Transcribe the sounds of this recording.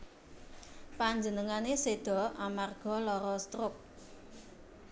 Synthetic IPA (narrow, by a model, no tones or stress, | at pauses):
paɲd͡ʒənəŋanesed̪̥ɔ̤ʔamarɡ̥ɔ̤lɔɾɔst̪ɾʊk̚